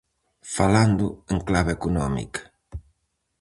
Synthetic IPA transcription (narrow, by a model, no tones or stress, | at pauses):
faland̪ʊeŋklaβeekunɔmḭkḁ